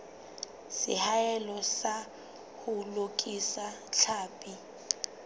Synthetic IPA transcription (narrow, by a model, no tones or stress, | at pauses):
sɪ̰haɛlɔsa | hʊlokʼisat͡ɬʰaːpʼi